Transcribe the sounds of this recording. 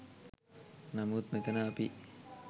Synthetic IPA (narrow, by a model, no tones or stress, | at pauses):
namuːt̪̚met̪ənaːpi